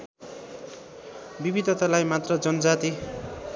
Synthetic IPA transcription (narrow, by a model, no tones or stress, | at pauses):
bibid̪ʱʌt̪alajmat̪rʌd͡zʌnʌd͡zat̪i